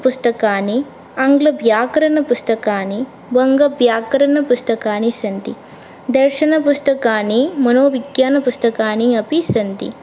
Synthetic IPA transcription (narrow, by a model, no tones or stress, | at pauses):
pust̪ɐkaːni | ɐŋɡlɐbʱjaːkɐɾɐnɐpust̪ɐkaːni | bɐŋɡɐbjaːkɐɾɐnɐpust̪ɐkaːnisɐnt̪ḭ | d̪ɐɾʃɐnɐpust̪ɐkaːnimɐnoːʋiɡjaːnɐpust̪ɐkaːniɐpisɐnt̪ḭ